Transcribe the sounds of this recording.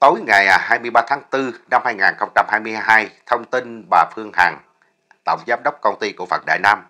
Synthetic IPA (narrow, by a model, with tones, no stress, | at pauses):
t̪o˨˦jŋa˨˩jhaː˧jmɨ˧əjɓaː˧t̪ʰaː˨˦ŋt̪ɨ˧na˧mhaː˧jŋaː˨˩nxə˧wŋ͡mt͡ɕa˧mhaː˧jmɨ˧əjɦaː˧jt̪ʰə˧wŋ͡mt̪i˧nɓaː˨˩fɨ˧əŋhaː˨˩ŋ | t̪ə̰˧˨wŋ͡mzaː˨˦mɗə˦˥wk͡p̚kə˧wŋ͡mt̪i˧ku˧˩əfə̰˨˩k̚ɗa̰ː˧˨jnaː˧m